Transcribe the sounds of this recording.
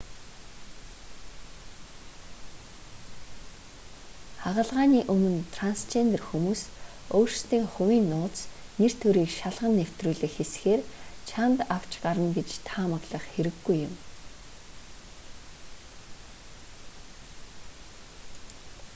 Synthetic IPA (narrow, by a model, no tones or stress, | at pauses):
aʁə̆ɮʁaːniːʔɵmɵ̆nt̪ʰranst͡ɕend̪erxumuːs | oːrst̪iːŋχɵwiːnːʊːt͡sner̥t̪ʰɵɾiːkʃaɮʁə̆nːew̥t̪ruːɮɘ̆xesxeːrt͡ɕʰant̪aw̥t͡ɕɢaɾə̆mɡet͡ɕt̪ʰaːmə̆ɣɮə̆χxeɾɘ̆ɡːujɪm